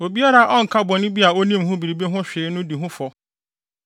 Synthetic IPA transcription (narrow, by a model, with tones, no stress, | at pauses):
o˨bi˦a˦ɾa˨˦ʔɔ˦ŋ̩˨kʰa˦bɔ˨nɪ̃˦bi˦a˨o˦nĩ˦mɦʊ̃˦bi˨ɾi˨be˦ɦʊ̃˦ɕᶣeː˨˦nʊ̃˦di˨ɦʊ̃˦fɔ˨